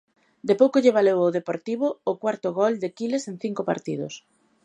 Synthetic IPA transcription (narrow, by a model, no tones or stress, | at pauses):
d̪epowkoʎeβ̞alewoðepoɾt̪iβ̞ʊːkwaɾt̪ʊɣɔld̪ekileseŋθiŋkopa̰ɾt̪iðʊ̰s